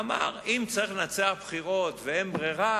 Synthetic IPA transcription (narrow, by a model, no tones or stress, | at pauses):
ma̰ʁimt͡saʁiχlenat͡seaχbχiʁot̪veembʁiʁa